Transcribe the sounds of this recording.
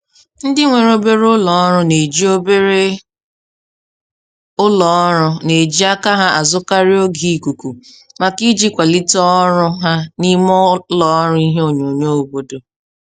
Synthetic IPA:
n̩˦dɪ˦ŋʷe˨ɾo˦be˦ɾʊ˦lɔ˨˦ɔ˦ɾʊ˦ne˨d͡ʒi˦o˦be˦ɾe˦ | ʊ˦lɔ˨˦ɔ˦ɾʊ˦ne˨d͡ʒi˦a˦ka˦ɦa˦ʔa˨zʊ˦ka˦ɾi˦o˦ɡi˨ku˨ku˨ | ma˨ki˦d͡ʒi˦kʷa˨li˦tɔ˦ɾʊ˦ɦa˦ni˦mɔ˦lɔ˨˦ɾʊ˦i˦ɦe˦o˨ɲo˨ɲo˦o˨bo˦do˨

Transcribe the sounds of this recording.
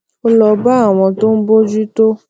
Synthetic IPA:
o˦lɔ˧ba˦a˦˨w̃ɔ̃˧to˦n̩˦bo˦d͡ʒu˦to˦

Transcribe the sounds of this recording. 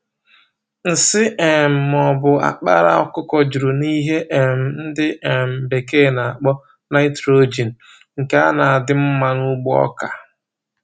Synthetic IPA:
n̩˨sɪ˦e˨m̩˨mɔ˨bʊ˨a̰˨k͡pa̰˦ɾa̰˦ɔ˨kʊ˦kɔ˦d͡ʒu˨ɾu˨ni˦ɦe˦ʔe˨m̩˨n̩˦dɪ˦ʔe˨m̩˨be˨ke˦˨na˨k͡pɔ˦ | na˦ɪ˦tɾo˦d͡ʒi˨n̩˨ | ŋ̩˨ka˨˦a˦na˨a˨dɪ˦m̩˦ma˦nu˦ɡ͡bɔ̰˦ka˨

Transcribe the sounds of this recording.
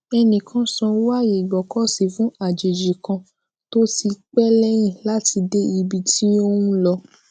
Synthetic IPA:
ɛ˧nĩ˨kʰã˦sɔ̃˧˦wa˦˨je˨ɡ͡bɔ˨kɔ˦si˨fũ˦a˦˨d͡ʒe˨d͡ʒi˨kã˧ | to˦ti˧k͡pɛ˦lɛ˦j̃ĩ˦˨la˦ti˧de˦i˧bi˧tʰi˦o˦wũ˦lɔ˧

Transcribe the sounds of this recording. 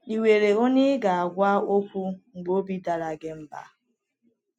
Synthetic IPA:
i˨we˨ɾe˨o˦nɪ˦ɡa˨a˨ɡʷa˦o˦kʷu˦ŋ͡m̩˨ɡ͡bo˦bi˦da˨ɾa˨ɡɪ˦m̩˦ba̰˦

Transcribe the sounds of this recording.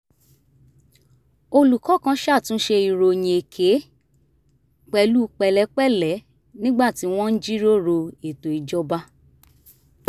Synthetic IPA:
o˧lu˨kɔ˨˦kã˧˦ʃa˦˨tũ˨˦ʃe˧i˨ɾo˨j̃ĩ˨e˨kʰe˨˦ | k͡pɛ˧lu˦k͡pɛ˧lɛ˦k͡pɛ˦˨lɛ˨˦ | nĩ˦ɡ͡ba˦˨ti˨˦w̃ɔ̃˦n̩˦d͡ʒi˦ɾo˦˨ɾo˧e˨to˨i˨d͡ʒɔ˧ba˦

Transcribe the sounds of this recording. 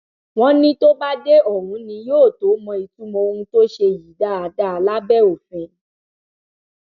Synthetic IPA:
w̃ɔ̃˦nĩ˧to˦ba˦de˦ɔ˦˨ɾũ˨˦nĩ˧joː˦˨to˨˦mɔ̃˧i˨tu˦mɔ̃˧o˧ũ˧to˦ʃe˧ji˨da˨˦a˨da˦a˧la˦bɛ˦o˨fɛ̃˨˧

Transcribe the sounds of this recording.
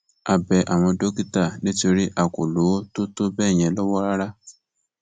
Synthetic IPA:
a˨bɛ˨ʔa˨ma˨˦do˦ki˦ta˨nɪ˦t͡ʃo˨ɾi˦ʔa˨kʊ˨lu˨˦tʊ˦tʊ˦be˦˨ɲe˨lʊ˦wɔ˦ɾa˦ɾa˦

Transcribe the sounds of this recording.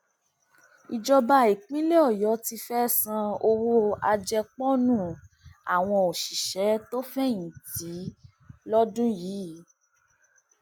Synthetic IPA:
i˨d͡ʒɔ˧ba˧i˨k͡pĩ˦le˦ɔ˦˨jɔ˨˦ti˧fɛ˦sã˧o˧wo˦a˧d͡ʒɛ˧k͡pɔ˦nũ˦˨ | a̰˨w̃ɔ̃˧o˨ʃi˨ʃɛ˨˦to˦fɛ˦jĩ˨ti˨˦ | lɔ˦dũ˦jiː˨˦

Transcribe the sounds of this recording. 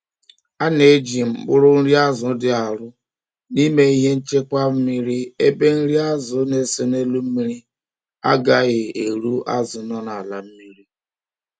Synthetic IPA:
a˦ne˨˦d͡ʒi˨m̩˨k͡pʊ̰˦ɾʊ˦n̩˦ɾi˦a˦zʊ˨dɪ˦a˨ɾʊ˦ | ni˦me˦i˦ɦe˦n̩˦t͡ʃe˦kʷa˦m̩˦mi˦ɾi˦e˦be˦n̩˦ɾi˦a˦zʊ˨˦ne˦se˨ne˦lu˦m̩˦mi˦ɾi˦ | a̰˦ɡa˦ɣɪ˨e˨ɾu˦a̰˦zʊ˨nɔ˦na˨la˨m̩˦mi˦ɾi˦

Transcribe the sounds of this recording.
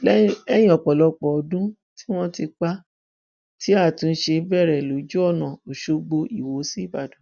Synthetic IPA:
lɛ˦jĩ˦˨ɔ˨k͡pɔ˨lɔ˧k͡pɔ˨ɔ˨˧dũ˦ | ti˦w̃ɔ̃˦ti˧k͡pa˦ | ti˦a˦˨tũ˨˧n̩˦ʃe˧bɛ˦˨ɾɛ˨lo˨˦d͡ʒu˦ɔ˦˨nã˨o˨ʃo˧ɡ͡bo˧ʔi˨wo˨˦si˦˨ba˨dũ˨

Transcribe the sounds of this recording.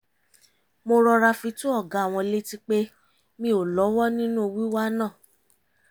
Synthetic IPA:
mo˧ɾɔ˧ɾa˧fĩ˧tũ˦ɔ˦˨ɡa˨a˨w̃ɔ̃˧le˦ti˦k͡pe˦ | mĩ˧o˨lɔ˨˦wɔ˦nĩ˦nũ˦˨wi˦wa˦nãː˦˨

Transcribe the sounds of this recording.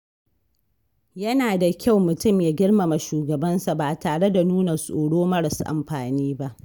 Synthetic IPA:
jɐ˦naː˨da˨kʲa˦˨wmʊ˨tʊ˦˨mjaː˦ɡʲɪ˦ɽma˨ma˨ʃuː˨ɡɐ˨bɐ˦nsa˨baː˨taː˨ɽe˦da˨nuː˦na˨sʼoː˨ɽoː˦mɐ˦ɽɐ˨sʔa̰˨mɸaː˨niː˦ba˦ʔ

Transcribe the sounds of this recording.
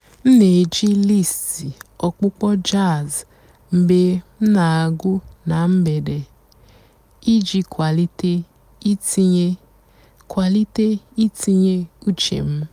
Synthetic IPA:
n̩˦ne˨d͡ʒi˦li˦˨sti˨ɔ˨k͡pʊ˦k͡pɔ˦d͡ʒa˦˨z | m̩˨be˦m̩˦na˨a˨ɡʊ˦na˨m̩˦be˨de˨ | i˦d͡ʒi˦ka˨li˦te˦ | i˦ɲe˦ | kwa˨li˦te˦i˦ti˦ɲe˦u˦t͡ʃḛ˨m̩˦

